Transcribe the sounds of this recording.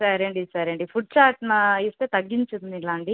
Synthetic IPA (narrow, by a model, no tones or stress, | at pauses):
sɐɾeɳɖisɐɾeɳɖifuʈ̚t͡ʃaːɾʈnɐist̪et̪ɐɡːiɲt͡ʃud̪nilːaːɳɖi